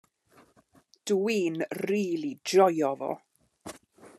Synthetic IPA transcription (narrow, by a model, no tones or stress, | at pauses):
d̥wiːnriːlˠidɔjɔvɔ̰